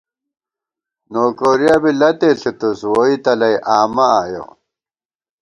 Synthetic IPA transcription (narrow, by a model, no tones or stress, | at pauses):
noːkoːɾjabilɐt̪eːɬit̪uswoit̪ɐlɐjʔaːmɐaːjo̰